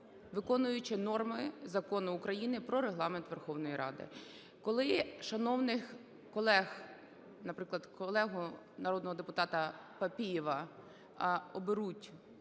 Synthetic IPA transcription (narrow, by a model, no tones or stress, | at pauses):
ʋɪkɔnʊjʊt͡ʃɪnɔrmɪzɐkɔnʊːkɾɐjinɪpɾɔɾeɦlˠɑment̪ʋerxɔwnɔjiɾɑ̰d̪ɪ̰ | kɔlˠɪʃɐnɔwnɪx | kɔlˠɛx | nɐpɾɪklˠɐd̪kɔlˠɛɦʊ | nɐɾɔd̪nɔɦɔd̪epʊt̪ɑt̪ɐpɐpʲijiʋɐ | ɔbɪɾutʲ